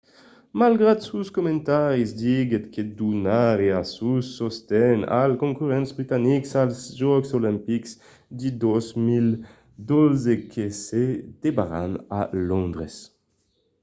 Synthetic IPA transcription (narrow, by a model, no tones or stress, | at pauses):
malɡʁad̪suskomɛ̃nt̪aʁizd̪iɡet̪kʰed̪unaʁeasusːɔst̪ɛna̰lkõŋkyʁɛ̃nt̪sbʁit̪aniksalsʒɔksolɛ̃mpiks | d̪id̪ɔzmil | d̪ozekʰesed̪̥ebaʁa̰na̰lɔ̃nd̪ʁes